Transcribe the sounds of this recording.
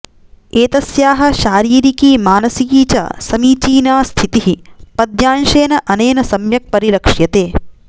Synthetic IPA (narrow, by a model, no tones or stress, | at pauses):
eːt̪ɐsjaːɦɐ̆ʃaːɾiːɾikiːmaːnɐsijiːt͡ʃɐ̰sɐmiːt͡ʃiːnaːst̪ʰit̪iɦipɐd̪jaːnʃeːnɐʔɐneːnɐsɐmjɐk̚pɐɾilɐkʂjɐt̪eː